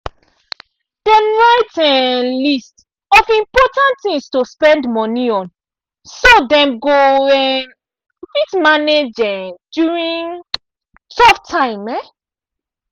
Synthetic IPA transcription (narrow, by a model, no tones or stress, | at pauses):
d̥ɛ̃mɹaɪtɛlist | ɔfĩmpɔtãntθĩmstospɛ̃ndmɔ̃niɔ̃n | sodɛ̃mɡoɛm | fitmaned͡ʒɛ̃djuɹĩn | tɔftʰãɪ̃mɛ